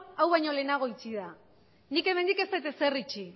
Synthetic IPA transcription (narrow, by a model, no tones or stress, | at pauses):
awβajɲo̞le̞naɣ̞o̞it͡siða | nike̞me̞nd̪ike̞st̪ajt̪e̞se̞rit͡ʃi